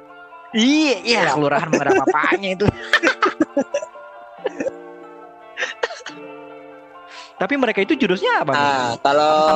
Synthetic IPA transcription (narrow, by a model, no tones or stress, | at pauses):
iaijalakəluɾaɦanməɾaapa̰ɲait̪u | t̪apiməɾekait̪ud͡ʒudʊsɲapaakalo